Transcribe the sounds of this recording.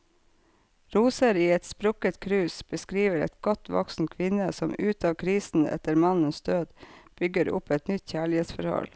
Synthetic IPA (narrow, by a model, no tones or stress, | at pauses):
ɾuːsəɾiːɛt̪spɾʊkət̪kʰɾʉːsb̥əskɾiːʋəɾɛ̰t̪ɡ̥ɔt̪ʰʋɔ̰ksn̩t̪kʰʋɪnəsɔmʉːt̪ʰɑːʋkʰɾiːsn̩ɛ̰t̪əɾmɑnənsd̪øːd̪b̥ʏɡəɾʊ̰pɛt̪nʏt̪çæːɭɪheːt̪sfɔɾhɔ̰l